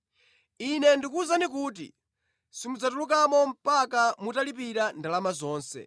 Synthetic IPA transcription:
inɛndikuzanik̬uːt̬ḭ | simud͡zatulukamɔm̩pakamutalipiɾandalamazɔːnsɛ̰

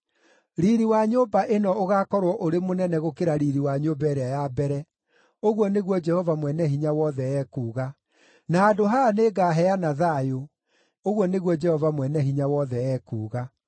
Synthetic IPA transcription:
ɾiɾiwaɲoːbaʔenɔoɣaːkɔɾwɔʔoɾemonɛnɛɣokeɾaɾiɾiwaɲobɛɾeajabɛɾɛ | oɣwɔneɣwɔd͡ʒɛhɔvamwɛnɛɦiɲawɔðɛɛːkuːɣa | naːdoɦaneːɡaːɦɛanaðajo | oɣwɔneɣwɔd͡ʒɛhɔvamwɛnɛɦiɲawɔðɛɛːkuːɣa

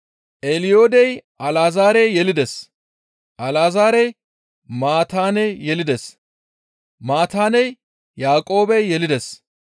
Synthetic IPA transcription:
ʔelɪjoːd̪ɛjʔɐlaːzaːɾɛjjɛlɪd̪ɛs | ʔɐlaːzaːɾɛj | maːt̪aːnɛjjɛlɪd̪ɛs | maːt̪aːnɛj | jaːkʼo̞ːbɛjːɛlɪd̪ɛs

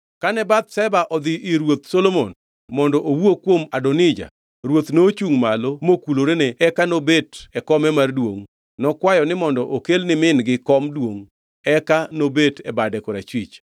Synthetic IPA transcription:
kanɛbat̪̚sɛbaʔɔd̪ɪʔɪɾwot̪solomon | mɔndɔʔowokwomadɔnɪd͡ʒa̰ | ɾwot̪not͡ʃuŋmalomokuloɾenɛːkanobetɛkɔmɛmardwo̰ŋ | nɔkwajɔnɪmɔndɔʔokelnɪmɪnɡɪkɔmdwoŋ | ɛkanobetɛbadɛkɔɾat͡ʃwit͡ʃ

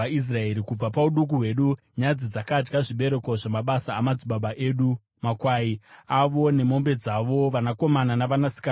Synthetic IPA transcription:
ais̬rae̞ɾikub͡vapauɗuk̬uɦwe̞ːɗu | ɲad͡zid͡zakad͡ʒɡaʐiɓe̞ɾe̞ko̞ʐamaɓasaːmad͡ziɓaɓaʔe̞ːɗu | makwaːiaʋo̞ne̞mo̞mbe̞d͡zaʋo̞ʋanako̞mananaʋanasi̥ka

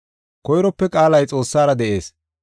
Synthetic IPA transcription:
kɔjɾɔpːɛkʼaːlɐjt͡sʼo̞ːsːaːɾɐd̪ɛʔe̞ːs

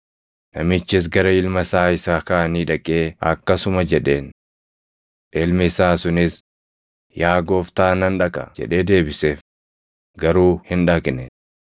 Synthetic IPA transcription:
nɐmɪt͡ʃːɪs̬ɡɐɾɐɪlmɐsaːɪsaːkɐʔɐniːᶑɐkʼe̞ːɐ̰kːɐsʊmɐd͡ʒɛᶑe̞ːn | ᶑelmɪɪsaːsʊnɪs | jaːɡo̞ːft̪aːnɐnᶑɐkʼɐd͡ʒɛ̰ᶑe̞ːd̪e̞ːbɪse̞ːf | ɡɐɾuːhɪnᶑaːkʼɪnɛ

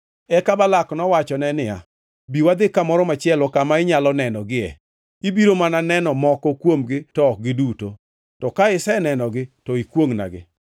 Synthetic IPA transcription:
ɛkabalaknɔwat͡ʃɔnɛnɪa̰ | biwad̪ɪkamɔɾɔmat͡ʃɪɛlɔkamaɪɲalɔnɛnɔɡɪɛ̰ | ibiɾomananɛnɔmɔkɔkwomɡɪtɔːk̚ɡɪduto | tɔkaɪsɛnɛnɔɡɪtɔikwoŋna̰ɡɪ̰

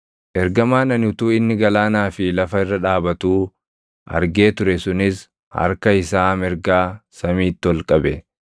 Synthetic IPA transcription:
ʔɛɾɡɐmaːnɐnʊt̪uːɪnːɪɡɐlaːnaːfɪlɐfɐɪrːɐᶑaːbɐt̪uː | ʔɐ̰ɾɡe̞ːt̪ʊɾɛsʊnɪs | hɐ̰ɾkɐɪsaːmɛɾɡaːsɐmiːt̪ːɪɔlkʼɐbɛ

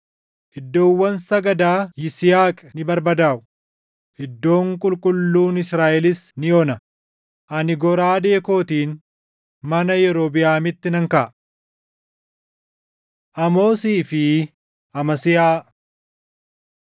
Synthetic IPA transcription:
ʔɪd̪ːoːwːɐnsɐɡɐd̪aːjɪsɪjaːkʼɛnɪbɐɾbɐd̪aːʔʊ̥ | ʔɪd̪ːo̞ːŋkʼʊlkʼʊlːuːnɪsɾaːʔɛlɪsnɪjoːnɐ | ʔɐnɪɡɔɾaːd̪e̞ːko̞ːt̪iːn | mɐnɐjɛɾoːbɪjaːmɪt̪ːɪnɐŋkɐʔ | ʔɐmo̞ːsiːfɪ | ʔɐmɐsɪjaː

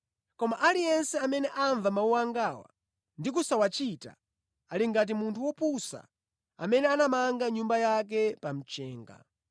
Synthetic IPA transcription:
kɔmaʔalijɛnsɛamɛnɛʔaɱvamauwaŋɡawa̰ | ndikusawat͡ʃita̰ | aliŋɡat̬imuntʰuwɔpusa̰ | a̰mɛnɛanamaŋɡaɲumbajak̬ɛpam̩t͡ʃɛːŋɡa̰

